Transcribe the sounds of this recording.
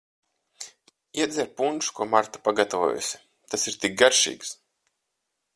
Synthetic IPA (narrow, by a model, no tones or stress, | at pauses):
iɛd̪zʲɛɾpunʃkuɔmaɾt̪ḁpaɡat̪avo̰ɔ̰ːjṵsʲɪ̥ | t̪asiɾt̪ik̚ɡaɾʃḭːks